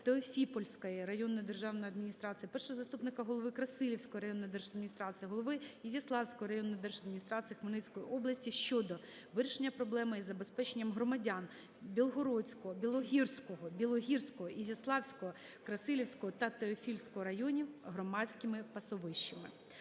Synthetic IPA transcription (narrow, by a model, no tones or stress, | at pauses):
t̪eɔfʲipɔlʲsʲkɔjiɾɐjɔnːɔjd̪erʒɑwnɔjɐd̪mʲinʲist̪ɾɑt̪sɨjɐpɛrʃɔɦɔzɐst̪upnɪkɐɦɔlˠɔʋɪkɾɐsɪlʲiwsʲkɔjɾɐjɔnːɔjd̪ɛrʒɐd̪mʲinʲist̪ɾɑt̪sɨjɐɦɔlˠɔʋɪizʲɐslˠɑwsʲkɔɦɔɾɐjɔnːɔjd̪ɛrʒɐd̪mʲnʲist̪ɾɑt̪sɨjɐxmɐlɪt͡sʲkɔjiʔɔblˠɐsʲtʲiʃt͡ʃɔd̪ɔ | ʋɪɾʲɪʃenʲːɐpɾɔblˠɛmɪizɐbespɛt͡ʃenʲːɐmɦɾɔmɐdʲan | bʲilˠɦɔɾɔt͡sʲkɔɔbʲilˠɔɦʲirsʲkɔɦɔbʲilˠɔɦʲirsʲkɔɦɔʔizʲɐslˠɑwsʲkɔɔ | kɾɐsɪlʲiwsʲkɔɦɔt̪ɐt̪eɔfʲilʲsʲkɔɦɔɾɐjɔnʲiɦɾɔmɑt͡sʲkɪmɪpɐsɔʋɪʃt͡ʃɪmɪ̰